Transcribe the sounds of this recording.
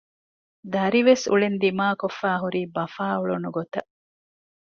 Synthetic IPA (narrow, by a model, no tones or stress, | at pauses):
d̪ɐɾiʋesṵɭend̪imaːkofːæːɦuɾiːbɐfaːuɭunuɡot̪ɐ